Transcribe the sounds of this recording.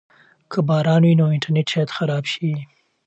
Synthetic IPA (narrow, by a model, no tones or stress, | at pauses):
kʰəbɑɾɑnwinoɪɳʈaɾneʈt͡ʃɑjat̪xaɾɑbʃi